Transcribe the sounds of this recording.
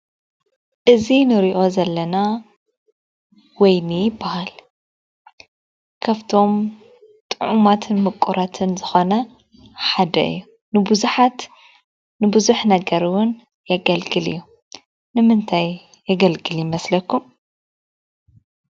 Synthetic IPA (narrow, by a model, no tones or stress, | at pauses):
ʔɨzinɨɾiʔo̞zɐlːɐna | wɔjnɨjɪbːahal | kʰaft̪ʰo̞m | t̪ʼɨʕumat̪ʰɨnmɨkʼːuɾʔat̪ʰɨnzɨxo̞nɐ | ħad̪ɐ̰ʔɨ̰jːu | nɨbuzuħat̪ | nɨbɨzuħnɐɡɐɾɨwʊn | jɐɡɐlɡɨlɨ̰jːu | nɨmɨnt̪ʰaj | jɐɡɐlɡɨljɪmɐslɐkʰːum